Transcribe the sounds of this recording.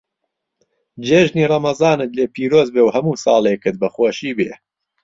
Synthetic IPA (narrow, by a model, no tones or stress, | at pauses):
d͡ʒeːʒniːrˤɑmɐzɑːnɨt̪leːpʰiːɾoːzbeːwhɐmuːsɑːlˠekɨt̪̚bɐχoːʃiːbeː